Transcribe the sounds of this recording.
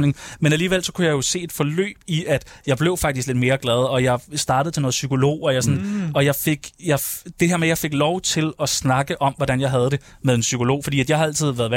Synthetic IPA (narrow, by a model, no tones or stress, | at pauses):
ne̝ŋmenæliːʋel̰sɒ̽kʰujɑjo̝se̝̰ːe̝d̥fɒ̽lø̰ːb̥iʔæd̥jɑ̈ɪb̥le̝ʊfɑ̈ɡ̥d̥isɡ̥led̥me̝ːɐɡ̥lɛð̞ˠɒ̽jɑ̈ɪsd̥ɑ̈ːɾ̥ð̩ˠt͡sʰe̝no̽ːð̩ˠsykʰo̝lo̝̰ːɒjɑsɒnɒ̽jɑ̈ɪfe̝ɡ̥jɑ̈ɪd̥e̝heɐmejɑ̈ɪfe̝ɡ̥lɒʊt͡sʰe̝lɒ̽snɑ̈ɡ̥əʔɒ̽mʋɒɾænjɑɪɦæð̞ˠd̥e̝ | meðˠensykʰo̝lo̝̰ːfɒdḭːæd̥jɑ̈ɪhɑ̈æl̰t͡sʰið̞̰ˠʋæːɐð̩ˠʋ